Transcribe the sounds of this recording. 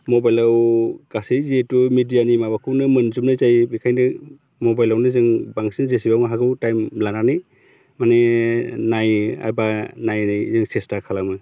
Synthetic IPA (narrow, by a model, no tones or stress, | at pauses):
mobajlawɡ̥asejzietumidijanimabakʰɯwnɯmɯnzumnɯjzajbikʰajnɯ | mobajlawnɯzɯŋbaŋsinzesibawŋɦaɡɯwtajmlananɯj | manenaja̰jbanajnajzɯŋsestakʰalamɯ